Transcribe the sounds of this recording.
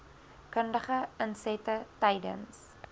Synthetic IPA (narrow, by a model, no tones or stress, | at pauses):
kəndəχəənsɛtətɛjdə̰ns